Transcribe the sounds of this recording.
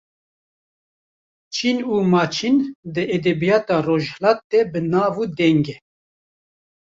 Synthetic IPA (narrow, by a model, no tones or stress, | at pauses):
t͡ʃʰinuːmɑːt͡ʃʰind̪ɨʔed̪ɛbijɑːt̪ɑːroːʒhlɑːt̪ːebɨnɑːvuːd̪ɛŋɡe